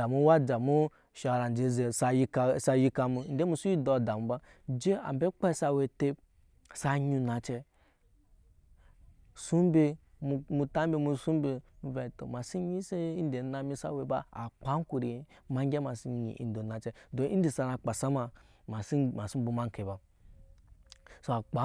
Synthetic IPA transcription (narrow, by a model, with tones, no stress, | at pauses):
a˨mu˦wa˦d͡ʒa˨mu˦ | ʃa˨ɾa˨n˨d͡ʒe˨ze˨sa˨ji˦ksa˧ji˦ka˧mu˨n̩˦de˦mu˦su˦ji˦do˨da˨mu˨ba˦ | d͡ʒe˦a̰˨m˨be˦k͡pa˦sa˧we˨te˦ | sa˧ɲu˧na˨t͡ʃe˧ | su˦m˦be˧ | m˨˧mu˧ta˦m˦be˦mu˨su˦m˦be˧mu˨˦ve˨to̰˨ma˨si˦ɲi˦se˦i˦n˦de˨na˨mi˦sa̰˨we˨ba˦a̰˨k͡pa˨˦ŋ˦ku˨ɾi˨˦ma˨˦ŋ˦ɡʲe˦ma˨si˦ɲḭ˨ʔḭ˨n˦do˨na˨t͡ʃɛ˦do˨ʔḭ˦n˦di˨sa˧na˧k͡pa˨sa˦ma˨ | ma˨si˦ma˨si˦m̩˦bu˨ma˦ŋ˨ke˨ba˨ | so˦a˨k͡pa˨˦